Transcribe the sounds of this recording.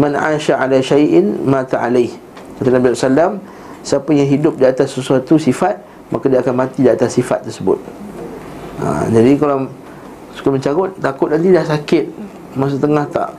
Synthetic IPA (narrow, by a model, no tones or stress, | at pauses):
mãnʕa̰ːʃaʕalaʃajʔɪnmãt̪aʕalajh | kat̪anabizɔsalam | siapajaŋɦidʊp̚diat̪asːəsuat̪usifat̪̚ | mʔakadiaːkanmãt̪idiat̪asːifa̰t̪ːərsəbʊ̰t̪̚ | a̰d͡ʒadikala | su̥kaməɲt͡ʃakʊt̪ːakʊt̪̚nãnt̪ilaʔsakɪt̪̚ | mas̬ut̪əŋaht̪a̰ʔ